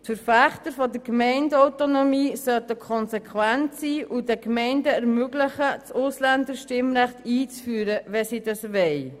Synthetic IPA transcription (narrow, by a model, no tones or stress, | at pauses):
tfəɾfæχtəɾfɔdəkmɛɪndɔwtonomiːsœtəkʰɔnsɛkχwæntsiːʔudɛkmɛɪndəɛɾmøɡləχət͡sʊslændəɾʃtɪmɾæχtiːt͡sfyːɾəʋɛsid̥ɑsʋɛɪ